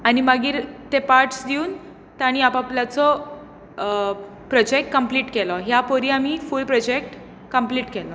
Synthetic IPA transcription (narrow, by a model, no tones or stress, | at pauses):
animaɡiːɾt̪epaɾʈsd̪iuːn | t̪aɽ̃iapapljat͡sɔ | pɾɔd͡ʑek̚ʈ̚kəmpliːʈkɛlɔɦjapoɾiːamiːfulpɾɔd͡ʑek̚ʈ | kəmpliːʈkɛlɔ